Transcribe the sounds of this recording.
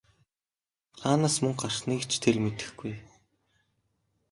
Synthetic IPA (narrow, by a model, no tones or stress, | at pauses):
χaːnaːsmɵŋɢarχniːkt͡ɕʰt̪ʰermet̪ɘ̥̆xɡuj